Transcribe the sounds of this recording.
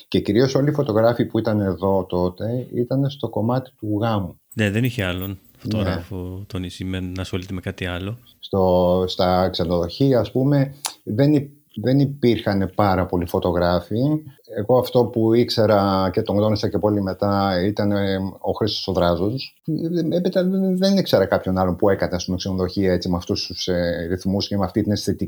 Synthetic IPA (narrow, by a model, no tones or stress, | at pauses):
ce̞ciɾio̞so̞lifot̪o̞ɣɾɐfipuit̪ɐneðo̞t̪o̞t̪e̞ḭt̪ɐne̞st̪o̞ko̞mɐt̪i̥t̪uɣɐmu | neðeniçeɐlon | fonoɣɾɐfot̪onisimennɐːsxo̞lit̪emekɐt̪iɐlo̞ | st̪ost̪ɐkse̞no̞ðo̞çiɐːspume̞ðe̞ni | ðe̞nipiɾxɐne̞pɐɾɐpo̞lifo̞t̪o̞ɣɾɐfie̞ɣo̞ɐft̪o̞puikse̞ɾɐce̞t̪oŋd̪o̞nisɐce̞polime̞t̪ɐit̪ɐneo̞xɾist̪osoðɾɐzos | epit̪ɐðenikse̞ɾɐkɐpço̞nɐlo̞mpue̞kɐnɐst̪inoksenoðo̞çiɐe̞t͡simɐft̪ust̪useɾiθmuscemeɐft̪it̪inesθet̪i